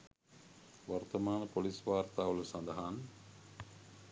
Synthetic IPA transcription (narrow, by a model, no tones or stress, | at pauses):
ʋart̪əmaːnəpolisʋaːrt̪aːʋəlusand̪ɐɦan